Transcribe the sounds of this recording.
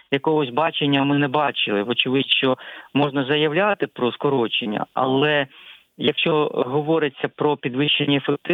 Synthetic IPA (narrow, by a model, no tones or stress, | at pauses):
jɐkɔɦɔsʲbɑt͡ʃenʲːɐmɪnɛbɑt͡ʃɪlˠɪʋɔt͡ʃɪʋɪdʃt͡ʃɔmɔʒnɐzɐjɐwlʲat̪ɪpɾɔskɔɾɔt͡ʃenʲːɐ̰ɐ̰lˠɛ | jɐkʃt͡ʃɔɦɔʋɔɾɪt͡sʲːɐpɾɔpʲid̪ʋɪʃt͡ʃːenʲːɐefek̚t̪ɪ